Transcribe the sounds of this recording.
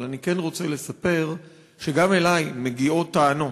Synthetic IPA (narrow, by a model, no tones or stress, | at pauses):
lanike̞nʁo̞t͡se̞le̞sape̞ʁ | ʃe̞ɡame̞lajme̞ɡiot̪aːno̞